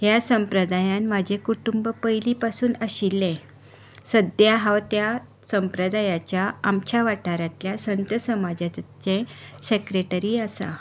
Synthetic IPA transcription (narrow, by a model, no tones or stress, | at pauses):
ɦjasəmpɾəd̪ajãnmad͡ʑʱẽkuʈumbəpəjliːpasuːnəɕilːẽ | səd̪jaɦãwt̪ja | səmpɾəd̪ajat͡ɕjaamt͡ɕaʋaʈʰaɾãt̪ljasənt̪əsəmad͡ʑat͡sẽsekɾeʈəɾiːasa̰